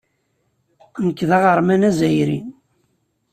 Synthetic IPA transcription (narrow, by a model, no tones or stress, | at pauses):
nəkːðæʁəɾˤmænæzæjɾin